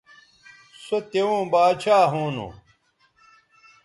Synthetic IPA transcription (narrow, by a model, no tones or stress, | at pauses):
sot̪eũːbaːd̪t͡ɕʰaːɦuːnṵ